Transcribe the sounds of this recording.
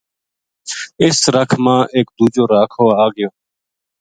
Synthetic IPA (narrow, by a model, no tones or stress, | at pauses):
ɪsɾəkʰmãːʔeːkd̪uːd͡ʒoːɾaːkʰoːaːɡɪjoː